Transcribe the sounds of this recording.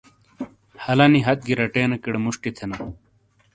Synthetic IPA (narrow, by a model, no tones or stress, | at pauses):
hɐlɐniɦɐt̪̚ɡiɾɐʈeːnɐkiɽemuʂʈit̪ʰenɐ